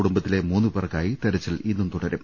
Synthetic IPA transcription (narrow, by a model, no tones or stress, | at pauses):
uɽumbɐt̪ːile̞muːnːupɐrɐkːaːjit̪eɾɐt͡ɕːilinːumt̪uɽɐɾum